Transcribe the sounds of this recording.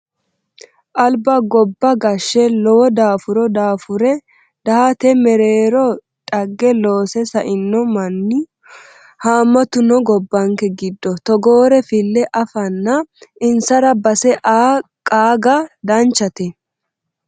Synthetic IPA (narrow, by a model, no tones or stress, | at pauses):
ʔɐlbɐɡɔbːɐɡɐʃːɛlɔwɔd̪aːfʊɾɔd̪aːfʊɾɛ | d̪̥ɐhɐt̪ɛmɛɾeːɾɔ | tʼɐɡːɛlo̞ːsɛsɐʔɪnːɔmɐnːɪ | haːmːɐt̪ʊnɔɡɔbːɐŋkɛɡɪd̪ːɔt̪ɔɡoːɾɛfɪlːɛʔɐfɐnːɐɪnsɐɾɐbɐsɛʔaː | kʼaːɡɐd̪ɐnt͡ʃːɐt̪ɛ